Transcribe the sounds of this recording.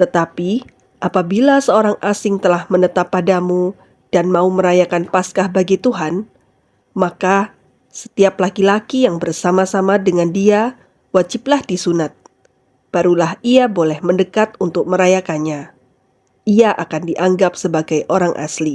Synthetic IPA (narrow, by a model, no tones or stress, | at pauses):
t̪ət̪api | ʔapabilasəoɾaŋʔasɪŋt̪əlahmənət̪apːadamu | d̥anmauməɾajakanpaskahbaɡit̪uɦan | maka | sə̥t̪iaplakilakijaŋbərsamasamadəŋandia | wad͡ʒɪplahdisunat̪̚ | b̥aɾulahiabolɛhməndəkat̪unt̪ʊk̚məɾajakanɲa | iaʔakandiʔaŋɡap̚səbaɡajʔoɾaŋʔa̰sli